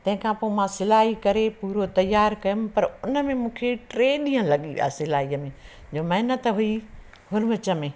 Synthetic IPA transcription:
t̪ɐ̃ɦɪ̃kʰãpoːmãsɪlaːɦikɐɾepuːɾot̪ɐjːaːɾkɐjʊmɪ̆pɐɾʊnə̆mẽmũːkʰeʈɾeːɗĩːə̃lɐɠiʋḭja̰ːsɪlaːɦiːəmẽ | d͡ʑoːmɐɦɪnət̪ɦui | ɦʊɾʋɪt͡ɕə̆mẽː

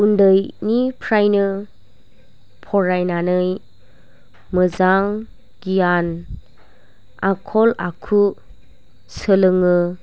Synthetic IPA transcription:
undɯjnipʰɾajnɯ | pʰɔɾajnanɯj | mɯzaŋ | ɡ̥ijan | akʰɔlakʰu | səlɯŋɯ

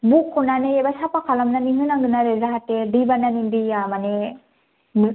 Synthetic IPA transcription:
bukʰːɔnanɯebasapakʰalamnaniŋɯnaŋɡɯnaɾezaɦatedibananindiamane | m

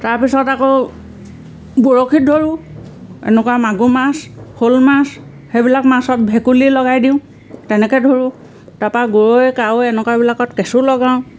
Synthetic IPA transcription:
taɹpisɔtako | boɹokʰit̚dʱoɹʊ | ɛ̰nɛkuwamaɡumashʰolmas | xebilakmasɔt̚bʱɛkulilɔɡajdiʊ̃ | tɛnɛkɛdʱoɹʊ̃ | tapaɡoɹoɛkawɛnɛkwabilakɔtkesulɔɡaʊ̃

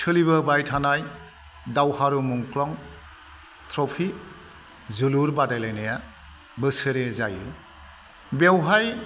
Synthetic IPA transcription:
tʰɯliβɯbajtʰanaj | dawhaɾumuŋkɾɔŋ | tɾɔpʰi | zɯluɾbadajlajnaja | bɯsɯɾezaj | bewɦaj

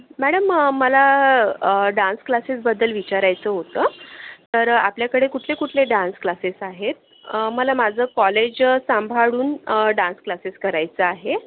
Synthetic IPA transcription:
mæɽəməːəla | ɖãnsklasesbəd̪əlʋit͡ɕaɾajt͡səːɦot̪əːt̪əɾa̰pljakəɽekuʈʰlekuʈʰleɖãnsklasesaɦet̪̚ | məlamad͡zʱəːkɔled͡ʑsambʱaɽuːnɖãnsklaseskəɾajt͡səaɦe

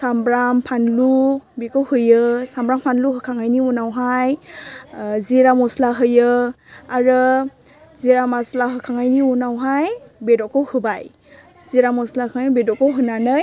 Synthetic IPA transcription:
sambɾampʰanlubekɯwhɯjɯsambɾampʰanluɦɯkʰaŋajniunawɦaj | ziɾamɔslaɦɯjɯ | aɾɯ | ziɾamaslaɦɯkʰaŋajniunawɦajbedɔkɔwhɯbaj | ziɾamɔslakʰaŋaibedɔkɔwɦɯnanɯj

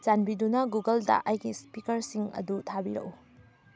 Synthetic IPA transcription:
zanbidunɐɡuɡɐldɐ̰ʔɐjɡispikɐɾsiŋɐ̰dutʰabiɾɐ̰k̚u

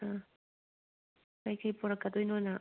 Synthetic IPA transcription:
a | kajkajpʊɾakad̪ʊjnʊna

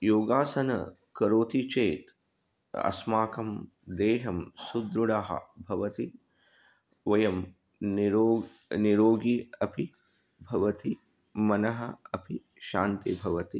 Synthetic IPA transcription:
joːɡaːsɐnɐ̰ | kɐɾoːt̪it͡ʃeːt̪ | ɐ̰smaːkɐm | d̪eːɦɐmsud̪ɾuɽaɦɐ̰bʱɐʋɐt̪i | ʋɐjɐm | nɾoːniɾoːɡiɐpʰi | bʱɐʋɐt̪i | mɐnɐɦɐɐpʰi | ʃaːnt̪ibʱɐʋɐt̪i

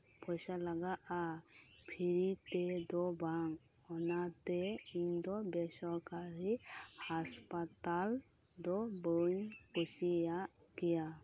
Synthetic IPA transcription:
pɔjsalaɡaʔa | pʰiɾit̪ɛd̪ɔbaŋ | ɔnat̪ɛind̪ɔbɛsɔɾkaɾihaspat̪al | d̪ɔbonkɔsija | kija

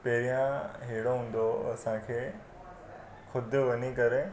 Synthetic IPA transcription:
pɐɦɪɾijãɦeɦɪɽoɦũːn̆d̪oɐsãkʰeː | xʰʊd̪ʱʊʋɐɲikɐɾe

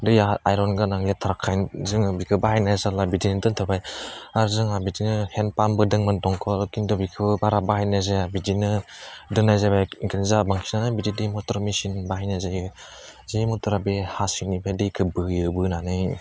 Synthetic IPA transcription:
dɯjaajɾɔnɡɯnaŋletʰaɾakʰːajnzɯŋabikʰɯbahajnajzalabidinɯdɯntʰɯbajaɾzɯŋabidinɯhenpambɯdɯŋmantɔŋkʰɔlɔkindɔbikʰɯbbaɾabahajnazaabidinɯdɯnajzabajiŋkinizabaŋkʰinanɯbididimɔtɔɾmisinbaɦajnazajɯ | zejmɔtɔɾabehasinipʰajdɯkʰɯbɯjɯbɯnanɯj

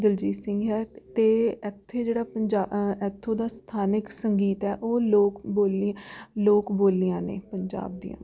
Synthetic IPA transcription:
d̪ɪld͡ʒiːsɪ̃ŋɡɦɛːt̪eːɛt̪ʰːeːd͡ʒeːɽaːpəɲd͡ʒaːɛt̪ʰːõːd̪aːst̪ʰaːnɪksəŋɡiːt̪ɛːʔoːloːkboːlloːkboːlːijãːnḛ̃ːpəɲd͡ʒa̰ːb̚d̪ḭjã̰ː

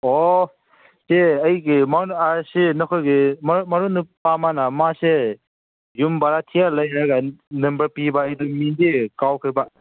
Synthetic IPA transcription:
ɔ | seɐjɡimaasenɔkʰojɡimmaɾunɯpamanamase | jumbaɾatʰijalajaɡanɯmbɐɾpibaːjdumindikawkʰiba

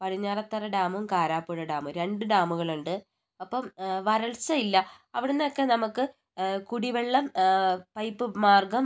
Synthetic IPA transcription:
pɐɽiɲːaːrɐt̪ːɐrɐɖaːmɐmkaːɾaːpːuɻɐɖaːmɨɾe̞ɳɖɨɖaːmuɣɐɭuɳɖɨ | ɐpːɐmʋɐɾɐɭsɐilːɐ | ɐʋiɽunːokːe̞nɐmukːɨ | kuɽiʋeɭːɐmpɐjpːɨmaːrɡɐm

